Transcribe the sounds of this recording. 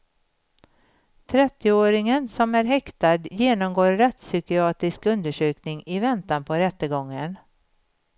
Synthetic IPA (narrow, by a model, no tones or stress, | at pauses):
t̪ʰɾɛt̪ːɪoːɾɪŋənsɔmæɾɦɛkt̪ad̪jeːnɔmɡoːɾːɛt̪sʏkɪɑːt̪ɪskɵnd̪əʂøːknɪŋɪvɛnt̪anpʰɔɾɛt̪ːəɡɔŋːən